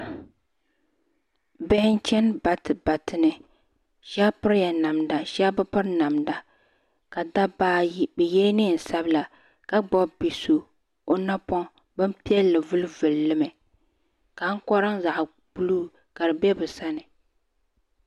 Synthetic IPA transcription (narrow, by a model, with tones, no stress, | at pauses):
bɛ˦hɪ˦n˦t͡ʃɛ˦nba˨tba˨tɨ˨nɨ˨ | ʃa˦pɨ˦ɾja˨na˨mda˨ʃa˦bɨ˦pɨ˦ɾna˨mda˨ | ka˨da˦baː˦bɨ˨jɛ˦nɪ˦˨n̩˨sa˦bla˨ | ka˦ɡ͡bɔ˦bi˨so˨ | o˦na˦pɔ˦ŋ | bɨ˦mpi˦ɛ˦lːɨ˨vʊ˦lvɨ˨lːɨ˦mɛ˨ | ka˨˦ŋ̩˦kɔ˦ɾɨ˦ŋza˨ʔ | b̥u˦luː˦ | ka˨ɾɨ˨bɛ˦bɨ˨sa˦nɨ˨